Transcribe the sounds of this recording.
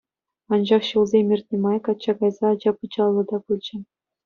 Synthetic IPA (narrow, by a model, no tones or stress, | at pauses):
ɑnd͡ʑɑχɕulˠzʲemʲirʲt̪ʲnʲimɑjkɑt͡ɕːɑɡɑjzɑːd͡ʑɑpɯd͡ʑɑlˠːɤ̆d̪ɑpulʲd͡ʑɘ̆